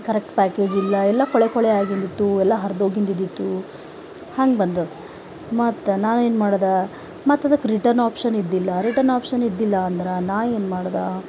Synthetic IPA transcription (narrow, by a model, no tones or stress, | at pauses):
kɐɾek̚ʈpaːke̞ːd͡ʒilːɐɛlːɐkɔɭekɔɭɛaːɡind̪it̪ːuɛlːɐɦɐɾd̪oːɡind̪id̪it̪ːu | haːŋɡebɐnd̪u | mɐt̪ːnaːneːnmaːɽd̪a | mɐt̪ːɐd̪ɐkːɾiʈɐɾnaːpʂɐnid̪ːilːɐɾiʈɐɾnaːpʂɐnid̪ːilːɐːnd̪ɐɾɐnaːʋeːnmaːɽd̪a